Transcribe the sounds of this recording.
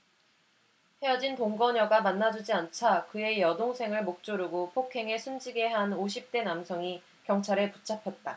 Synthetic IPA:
he̞jʌd͡ʑintoŋɡʌɲʌɡamanːad͡ʑud͡ʑiant͡ɕʰakɯe̞jʌdoŋsʰe̞ŋɯɭmok̚t͡ɕ͈oɾuɡopʰokʰe̞ŋe̞sʰund͡ʑiɡe̞ɦanoɕʰip̚t͈e̞namsʰʌŋi | kjʌŋt͡ɕʰaɾɯɭput͡ɕʰapʰjʌt̚t͈a

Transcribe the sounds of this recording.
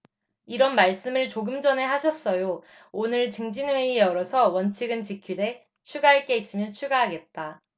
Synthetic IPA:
iɾʌnmaɭs͈ɯmɯɭt͡ɕoɡɯmd͡ʑʌne̞ɦaɕʰʌs͈ʌjo | onɯɭt͡ɕɯŋd͡ʑinwe̞ijʌɾʌsʰʌwʌnt͡ɕʰiɡɯnt͡ɕikʰide̞ | t͡ɕʰuɡaɦaɭk͈e̞is͈ɯmjʌnt͡ɕʰuɡaɦaɡe̞t̚t͈a

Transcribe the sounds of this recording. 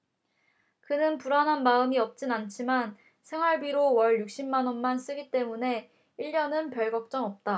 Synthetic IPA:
kɯnɯnpuɾanɦanmaɯmiʌp̚t͡ɕ͈inant͡ɕʰiman | sʰe̞ŋɦwaɭbiɾowʌɭjuk̚ɕ͈imːanʌnmans͈ɯɡit͈e̞mune̞ | iʎːʌnɯnpjʌɭɡʌk̚t͡ɕ͈ʌŋʌp̚t͈a

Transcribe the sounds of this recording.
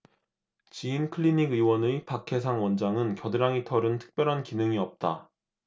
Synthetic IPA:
t͡ɕiinkʰɯɭːiɲiɡɯwʌnɯpakʰe̞sʰaŋwʌnd͡ʑaŋɯnkjʌdɯɾaŋitʰʌɾɯntʰɯ̥k̚p͈jʌɾɦankinɯŋiʌp̚t͈a

